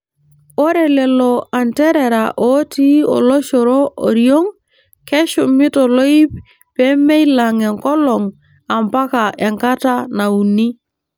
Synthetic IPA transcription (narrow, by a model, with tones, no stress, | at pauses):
o˦ɾɛ˨lɛ˨lɔ˨a˨ntɛ˦ɾɛ˨ɾa˨ʔo˦ti˦o̰˨lɔ˦ʃɔ˨ɾo˦ʔo˨ɾjo˦ŋ | kɛ˦ʃʊ˨mɪ˦tɔ˨lo˦i˦p | pɛ˦mɛ˦jla˨ŋɛ˨ŋkɔ˦lɔ˨ŋ | a˨mpa˦ka˨ʔɛ˨ŋka˦ta˦na˨u˨ni˦